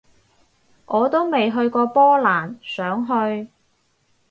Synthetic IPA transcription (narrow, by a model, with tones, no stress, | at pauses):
ʔɔː˨˧t̪o˥wme˨jɦɵ˧ɥkɔː˧pɔː˥laː˨˩nsœː˨˥ŋɦɵ˧ɥ